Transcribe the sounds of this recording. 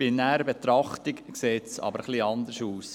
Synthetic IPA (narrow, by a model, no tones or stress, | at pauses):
b̥ɪnæɾəbɛt̪ɾɑχt̪ikkseːtsɑ̰bəɾχliɑnd̪əɾʃuːs